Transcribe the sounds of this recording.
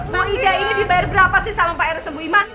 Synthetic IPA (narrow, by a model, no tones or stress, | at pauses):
maidɡainibibajarbəɾapasɪhsalampaɛɾəst̪əmbuiman